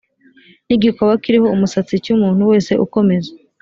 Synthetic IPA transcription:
niɡikoβakiɾiho̞umusat͡sicumuːn̥huwe̞ːse̞ʔuko̞me̞ze

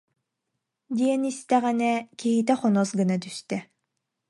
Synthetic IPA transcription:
d̪iɛnist̪ɛʁɛnɛkiɦit̪ɛχɔnɔsɡɯnat̪yst̪ɛ

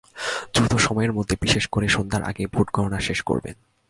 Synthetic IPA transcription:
d̪ɾut̪oʃɔmɔeɾmod̪ʱːebiʃeʃkoɾeʃond̪ʱaɾʔa̰ɡebʱuʈɡʱɔɾonaʃeʃko̰ɾbḛn

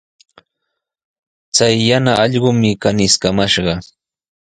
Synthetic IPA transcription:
t͡sajːanaʔɑʎɢʊmɪkanɪskamaʃɢɑ

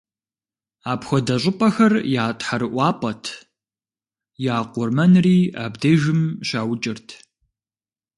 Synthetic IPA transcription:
aːpxʷɔdɐɕʷʼɪpʼɐxɐrjaːtʼħaɾɨʔʷɑːpʼɐtʰ | jaːqʷʊrmɐnriːa̰ːbdeʒɪmɕaːwt͡ʃʼɪrtʰ

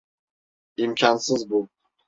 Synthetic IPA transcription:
imkʲʰansɨzbu

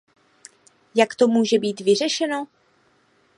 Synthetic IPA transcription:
jakt̪omuːʒɛbiːt̪vɪr̝ɛʃɛno

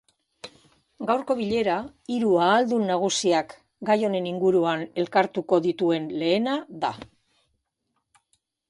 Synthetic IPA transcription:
ɡawɾko̞βiʎe̞ɾa | iɾuaːld̪unːaɣ̞usiak | ɡajo̞ne̞niŋɡuɾuane̞lkaɾt̪uko̞ðit̪ue̞nle̞ːnaða̰

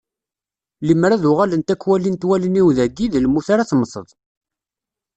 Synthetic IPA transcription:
limɾæðʊʁalənt̪ækːwælint̪wæləniwðæɡiðlmuθaɾaθməsˤə̰ðˤ

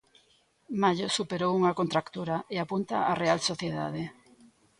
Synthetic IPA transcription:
maʎosupeɾowuŋakont̪ɾakt̪uɾaʔeapunt̪aʔarealsoθjeða̰ð̞e

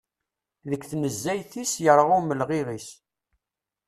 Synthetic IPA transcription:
ðəkːθnəzːæjθisjəɾˤʁʊməlʁɪɾis

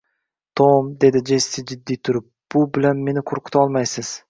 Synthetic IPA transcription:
t̪ʰomd̪e̞d̪ɪd͡ʒe̞st̪ːɪd͡ʒɪd̪ːijt̪ʰʊɾʊp̚b̥ʊbɪlanme̞nɪqʰoɾqʰɨ̥t̪ʰaɒlˠmajsɪz̥

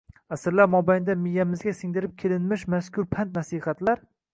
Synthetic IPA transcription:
asɪɾlaɾmɒbajnd̪amɪjːamɪzɡʲasɪŋd̪ɪɾɪp̚kʲʰelɪnmɪʃmaskʰʲʊɾpʰant̪nasihat̪laɾ

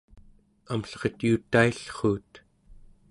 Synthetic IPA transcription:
amɬʁət̪ut̪aiɬχuːt̪

